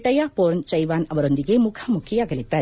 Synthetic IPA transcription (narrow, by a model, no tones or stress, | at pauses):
ʈɐjaːpoːɾnt͡ʃɐjʋaːnɐʋɐɾond̪ikemukʰɐmukʰijaɡɐlit̪aːɾ